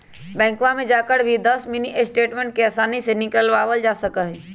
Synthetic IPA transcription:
bɛ̃ːŋkʋãmẽd͡ʒaːkəɽbʱid̪ɐsmɪniʔesʈeːʈmẽɳʈ̚keɛːsaːnisenɪkəlʋaːʋəld͡ʒaːsəkaɦiː

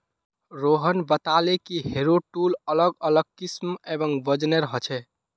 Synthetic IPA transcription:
ɾoɦənbət̪alekiɦeɾoʈulələɡələɡ̚kismebəŋbəd͡ʒneɾəɦət͡ʃʰɛ

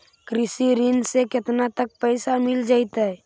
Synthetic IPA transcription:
kɾisiɾinseket̪nat̪ək̚pəɪsamild͡ʒaɪt̪ɦɛɛ

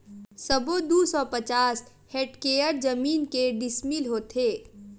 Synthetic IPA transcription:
səbod̪usɔpɐt͡ʃaːs | heːʈkeːəɾd͡ʒəmiːnkeɖɪsmilɦoːt̪ʰeː

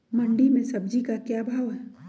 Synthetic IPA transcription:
mɐ̃ɳɖimẽsɐb̚d͡ʒikakjaːbʱaːʋɦɛː

